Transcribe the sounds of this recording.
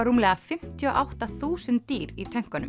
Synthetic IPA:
aɾuːmlɛːɣðafɪm̥t̪ʰiɔʔawht̪aθuːsɪnt̪ːiːɾit̪ʰɛŋ̥kanʏ̰m

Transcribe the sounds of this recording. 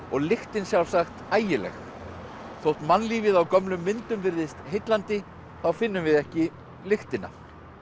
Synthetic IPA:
ɔɣlɪxt̪ɪnsjawlsaxt̪aːjɪlɛ̰x | θowht̪manːliːvɪðawkœmlʏmːɪnt̪ʏmvɪɾðɪst̪ɦejt̪lant̪ɪ | θawfɪnːʏmvɪðɛhcɪ | lɪxt̪ɪnːa̰

